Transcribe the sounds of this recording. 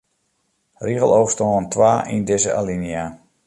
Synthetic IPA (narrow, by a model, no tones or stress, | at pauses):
riɣəlˠowstɔːəntʰʋaːʔindɪzəʔa̰linia